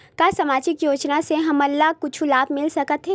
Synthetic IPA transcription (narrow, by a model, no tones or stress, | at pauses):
kaːsɐmaːd͡ʒɪkjoːt͡ʃnaseɦɐmɐlːaɦkʊt͡ʃʰulaːbmɪlsɐkət̪ɦɛ̃ː